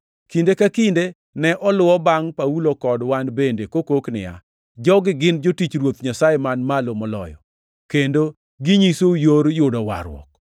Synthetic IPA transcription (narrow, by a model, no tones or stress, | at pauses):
kindekakinde | nɛʔɔlʊwɔbaŋpaulokɔdwanbendekokoknɪ̰ja̰ | d͡ʒɔɡɪɡɪnd͡ʒotit͡ʃɾwot̪ɲasajemanmalomɔlɔ̰jɔ̰ | kendo | ɡɪɲisojoɾjʊdɔwa̰ɾwɔ̰k̚